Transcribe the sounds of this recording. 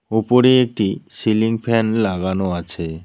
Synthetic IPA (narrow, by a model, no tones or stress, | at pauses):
upoɾeek̚ʈisiliŋfʰɛnlaɡanoat͡ɕʰe